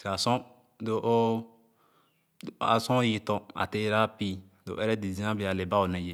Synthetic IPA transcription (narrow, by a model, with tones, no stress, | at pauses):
a˨sɔ̃˦ | do˨ʔo˦ | a̰˨sɔ̃˦ji˨tɔ̃˨a̰˨te˦ɾa˦pi˦ | do̰˨ʔɛ˦ɾɛ˦di˨zĩ˦ã˦bi˨˦a˨le˨ba˦o˨nɛ̃˨d͡ʒe˨